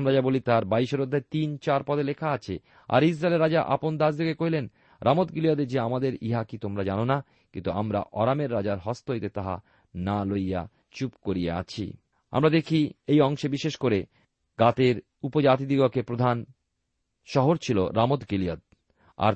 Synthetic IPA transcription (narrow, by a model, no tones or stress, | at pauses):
mɾad͡ʑabolit̪aɾbaiʃoɾod̪ʱːat̪int͡ɕaɾpɔd̪elekʰaat͡ɕʰe | a̰ɾis̬ɾaeleɾad͡ʑaʔa̰pond̪asd̪ʱikekoɦilen | ɾʔamot̪̚ɡiliod̪ed͡ʑeamad̪eɾiɦakit̪omɾad͡ʑanona | kint̪uamɾa̰ʔɔɾameɾːad͡ʑaɾɦɔst̪oit̪et̪aɦa̰ | naloja̰ | t͡ɕupkoɾijḛa̰t͡ɕʰḭ | a̰mɾad̪ekʰiejɔŋʃebiʃeʃkoɾe | ɡat̪eɾ | upod͡ʑat̪id̪iɡokepɾod̪ʱan | ʃɔɦoɾt͡ɕʰilo̰ɾamot̪ɡiliod̪̚ | a̰ɾ